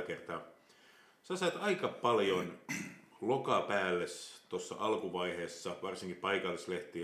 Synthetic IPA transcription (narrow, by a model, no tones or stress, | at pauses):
kert̪ɑː | sæsɑet̪ɑikɑpɑljon | lokɑpæːlːest̪osːɑ̰ʔɑlkuʋɑiheːsːɑʋɑrsiŋkipɑikɑlːisleht̪i